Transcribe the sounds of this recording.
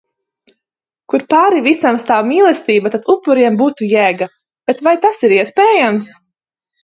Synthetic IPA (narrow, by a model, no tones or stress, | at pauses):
kuɾpaːɾivisamst̪aːwmiːlˠɛst̪iːbat̪at̪upːuɾiɛmbuːt̪ujæːɡa | b̥et̪vajt̪asiɾiɛspʲɛːjams